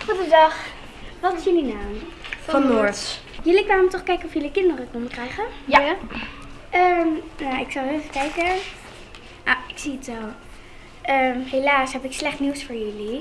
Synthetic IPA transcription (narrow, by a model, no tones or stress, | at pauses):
χudədɑχ | ʋɑtɪsjəlinawfɔnoɹss | jəlikʋaːnɔmtɔχkɛjkənɔfjəlikɪndərəkɔndəkrɛjχəja | əmnaɪksɑlˠefəkɛjkə | naɪksiətɛlˠ | ʔəmɦelaːsɦɛpɪkslɛχtniwsfʊːɹjɵli